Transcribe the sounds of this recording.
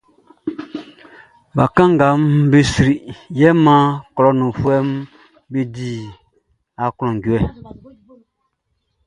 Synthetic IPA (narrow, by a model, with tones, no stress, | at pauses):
ba˨kã˦ŋɡa˨˦mbe˦si˨ɾi˨jɛ˦mã˦kɔ˨lɔ˦nũ˨fu˦ɛ˦m | be˦di˦˨ | a˨klɔ̃˨ŋɡɛ˨